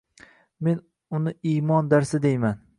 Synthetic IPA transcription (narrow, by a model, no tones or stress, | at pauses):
me̞n | ʊnɪijmɒnd̪aɾsɪd̪ejman